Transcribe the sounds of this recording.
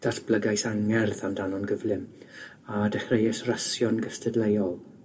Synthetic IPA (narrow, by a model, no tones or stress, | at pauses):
d̥asb̥ləɡajsaŋɛrðandanɔnɡəvlˠɪm | adɛχrejɛsrasjɔnɡəstʰɛdlejɔlˠ